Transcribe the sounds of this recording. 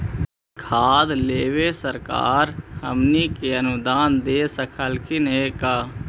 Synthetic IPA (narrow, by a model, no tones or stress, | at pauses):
kʰaːd̪leːwesəɾka̰ːɾhəmnikeənʊd̪aːnd̪eːsəkʰəlkʰɪnɦekaː